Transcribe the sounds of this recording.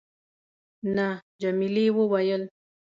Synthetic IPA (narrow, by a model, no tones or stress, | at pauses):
na | d͡ʒamiliwowajəl